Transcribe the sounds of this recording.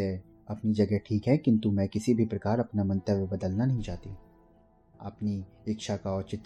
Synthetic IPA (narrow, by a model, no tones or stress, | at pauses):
ɛ | ɐpnid͡ʒɐɡɛɦʈʰiːkɦɛkɪ̃nt̪umɛ̃ːkɪsibʱipɾɐkaːɾɐpnamɐ̃nt̪əʋjbɐd̪əlnanɐɦĩt͡ʃaːt̪i | ɐ̰pni | ɪkʃakaɔːɾt͡ʃɪt̪ː